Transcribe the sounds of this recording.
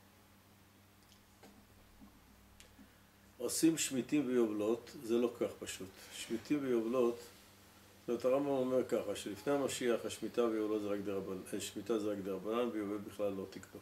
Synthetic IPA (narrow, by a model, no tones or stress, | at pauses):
o̞simʃmit̪imvejovlo̞t̪zelo̞kʰaχpaʃut̪ʃmit̪imvejovlo̞t̪ | omt̪aʁambamo̞meʁkaχaʃelifnejhamaʃiaχaʃmit̪avejovlotzeʁakd̪eʃmit̪azeʁakd̪eʁabananvejovebiχlalːo̞t̪ikbo